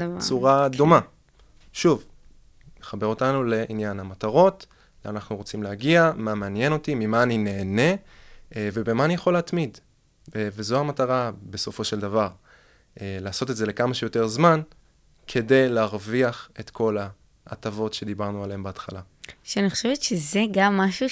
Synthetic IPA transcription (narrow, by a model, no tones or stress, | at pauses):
t͡suʁadoma | ʃuv | neχabeʁo̞tanule̞ʔinjanhamataʁo̞t | leanaχnuʁo̞t͡simleaɡiamameanje̞no̞timimaːnine̞ːne̞ | ve̞bemaːnijaχo̞leatmid | vezohamataʁabe̞so̞fo̞ʃe̞ldavaʁ | laːso̞te̞tzele̞kamaʃejo̞te̞ʁzman | kʰe̞de̞jleaʁviaχe̞tkʰo̞laː | tavo̞tʃe̞d̪ibaʁnualeembeatχala | ʃeaniχoʃevetʃezeɡamːaʃu